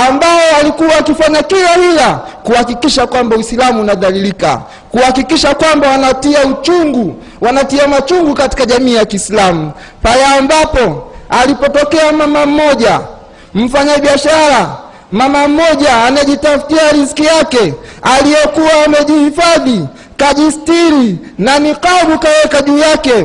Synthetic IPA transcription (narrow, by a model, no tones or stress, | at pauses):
ambaɔalikuwaːkifaɲakilahilakuhakikiʃakwambawisilamuːnaðalilika̰ | kuhakikiʃakwambawanatiaut͡ʃuŋɡu | wanatiamat͡ʃuŋɡukati̥kaʄamiːjakiːslamu | palɛambapɔalipɔtɔkɛamamam̩mɔʄa | m̩faɲaɓiaʃaɾa | mamam̩mɔʄaːnɛʄitafi̥tiaɾiskijakɛalijɛkuwaːmɛʄihifaði | kaʄistiɾinanikaɓukawɛkaʄuːjakɛ